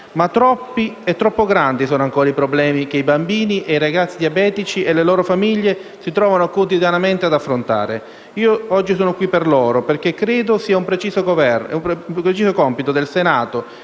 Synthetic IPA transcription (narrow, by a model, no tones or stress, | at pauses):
mat̪ːɾɔpːiɛt̪ːɾɔpːoɡɾand̪isɔːnoaŋkɔːɾaipɾoblɛːmik̟eibambiːniʔejɾaɡat̪sːid̪iabɛːt̪it͡ʃiʔelːelɔːɾofamiʎːesit̪ɾɔːvanokot̪id̪janament̪ead̪afːɾont̪a̰ːɾe | iːoɔd͡ʒːisɔːnokwipːerlɔːɾoperkekːɾeːd̪osiːaumpɾet͡ʃiːzokovɛmpɾet͡ʃiːzokɔmpit̪od̪elsenaːt̪o